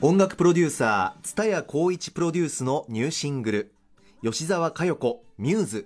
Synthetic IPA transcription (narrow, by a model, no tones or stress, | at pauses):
õ̞ŋɡakɯ̟̥pɯ̟ɾo̞d̪ʲɨːsaːt͡sɨ̥t̪ajakʰo̞ːit͡ɕi̥pɯɾo̞dʲɨːsɨno̞ɲ̟ɨːɕĩŋɡɯ̟ɾɯ̟ | jo̞ɕizaβakajo̞ko̞mʲɯːzɨ